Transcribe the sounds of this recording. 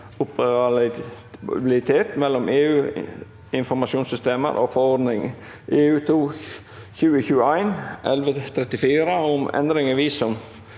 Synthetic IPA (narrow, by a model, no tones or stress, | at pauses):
ʊpəɾ | bɪllɪt̪ʰeːt̪mɛlːɔmʔeːʉː | ɪnfɔɾmɑʃuːnsʏst̪eːmə̰ɾʔo̰fɔɾɔd̪nɪŋ | ʔeːʉːt̪ʰuː | çʉːəçʉːəæɪnʔɛ̰lʋət̪ʰɾɛt̪ːɪfiːɾəʊmʔɛ̰nd̪ɾɪŋəʋiːsʊm